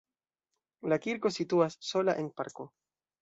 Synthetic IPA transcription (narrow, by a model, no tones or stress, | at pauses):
lakiɾko̞situasːo̞laʔenpa̰ɾko